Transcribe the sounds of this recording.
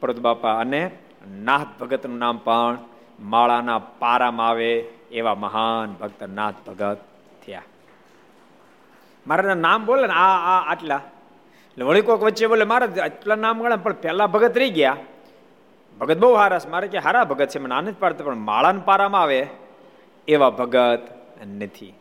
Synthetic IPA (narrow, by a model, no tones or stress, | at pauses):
pəɾut̪bapaəne | naːɦt̪̚bʱəɡət̪nũnampəɳ | maɭanapaɾamaːʋeːʋaməɦanbʱək̚t̪əna̰ːt̪̚ʰbʱəɡət̪ʰː | əja̰ | maːɾananambolenaːʈla | eʈleʋəɭikokʋəːt͡ʃebolemaɾaəʈlanamɡəɭapəɳpɛlabʱəɡət̪ɾəiɡja | bʱəɡət̪̚bəuɦaɾasmaɾakeɦaːɾabʱəɡət̪̚t͡ʃʰemənanət̪ʰipaɾat̪ʰapəɳma̰ɭanpaɾamaʋeː | ʋabʱəɡət̪ | nət̪ʰḭ